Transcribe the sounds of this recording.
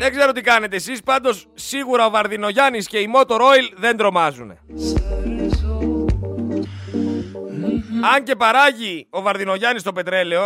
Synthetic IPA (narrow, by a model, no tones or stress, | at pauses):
ðe̞ɡze̞ɾo̞t̪ikɐne̞t̪eːsispɐnd̪o̞sːiɣuɾɐo̞vɐɾðino̞ʝɐnisce̞imo̞t̪o̞ɾo̞ilðe̞nd̪ɾo̞mɐzune̞̰ | ɐɲce̞pɐɾɐʝio̞vɐɾðino̞ʝɐnist̪o̞pe̞t̪ɾe̞leo̞